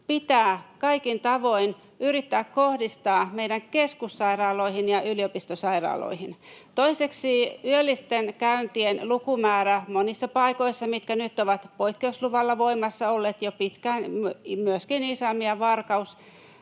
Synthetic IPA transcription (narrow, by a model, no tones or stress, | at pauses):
pit̪æːkɑikint̪ɑʋoin | yrit̪ːæːkkohdist̪ɑːmeidæŋkeskusːɑirɑːloihinjɑyliopist̪osɑirɑ̰ːlo̰ihint̪oiseksiːyølːist̪enkæynt̪ienlukumæːɾæmonisːɑpɑikoisːɑmit̪kænyt̪ːoʋɑt̪poikːeusluʋɑlːɑʋoimɑsːɑolːeːt̪jopit̪kænmyøskinisæmiɑʋɑrkɑus